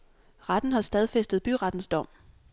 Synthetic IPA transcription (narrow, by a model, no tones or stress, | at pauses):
ʁɑd̥n̩hɑ̈sd̥ɛð̞ˠfesd̥əð̞̩ˠb̥yʁɑ̈d̥n̩sd̥ɒ̽m̰